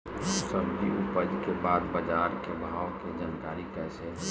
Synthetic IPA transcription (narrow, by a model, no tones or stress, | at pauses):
səbdiʊpəd͡ʒkebaːd̪bəd͡ʒaːɾkebʱaːʋked͡ʒaːnkaːɾikət͡ʃʰɛ